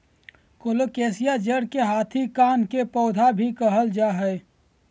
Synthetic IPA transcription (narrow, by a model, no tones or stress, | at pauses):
koːloːkeːsɪjad͡ʒəɽkeɦaːt̪ʰikaːnkepɔːd̪ʱabʱikəɦəld͡ʒaɦɛe